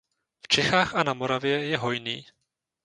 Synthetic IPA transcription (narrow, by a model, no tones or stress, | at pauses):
ft͡ʃɛxaːxanamoɾavjɛjɛɦo̞jnḭː